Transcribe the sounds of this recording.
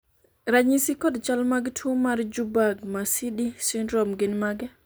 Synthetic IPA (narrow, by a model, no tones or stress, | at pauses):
ɾaɲisikɔdt͡ʃalmaɡtʰomaɾd͡ʒubaɡmasiɗisindɾɔmɡɪnmaɡɛ